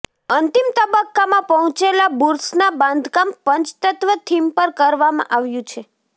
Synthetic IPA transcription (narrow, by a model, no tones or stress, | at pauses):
ənt̪imt̪əbəkːamãpəɦɔ̃t͡ʃelabuɾsnabãnd̪ʱkampəɲt͡ʃt̪ət̪ʋət̪ʰimpəɾkəɾʋamã̰ʔaʋjũt͡ʃʰe